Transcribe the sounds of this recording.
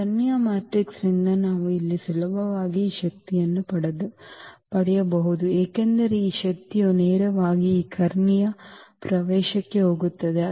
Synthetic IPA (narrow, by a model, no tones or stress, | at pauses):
ɐnjɐmaːʈɾiksɾinːɐnaːʋuilːisulɐbʱɐʋaːɡiːʃɐk̚t̪ijɐnːupɐɽed̪upɐɽɛjɐbɐɦud̪ueːkend̪ɐɾeiːʃɐk̚t̪ijuneːɾɐʋaːɡiiːkʰɐɾnijɐpɾɐʋɛːʃɐkːe̞ɦo̞ːɡut̪ːɐd̪e̞